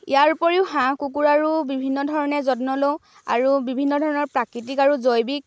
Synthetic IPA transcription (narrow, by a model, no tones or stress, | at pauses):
ḭjaɹupɔɹiʊhãkukuɹaɹubibʱinːɔdʱɔɹɔnɛzɔtnɔlo | a̰ɹubibʱinːɔdʱɔɹɔnɔɹpɹakɹitikaɹuzojbik̚